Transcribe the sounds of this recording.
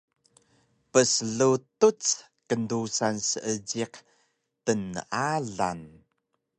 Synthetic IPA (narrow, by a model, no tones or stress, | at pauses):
pəsəɮutut͡s | kəndusansəʔəd͡ʑiq | tənəʔaɮa̰n